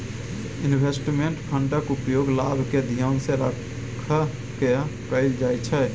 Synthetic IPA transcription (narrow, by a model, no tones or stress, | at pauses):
inbʱesʈmeɳʈpʰəɳʈəkupjoɡlabʱked̪ʱijənsẽɾə | kʰːə | kekəɪld͡ʒajt͡ʃʰɛ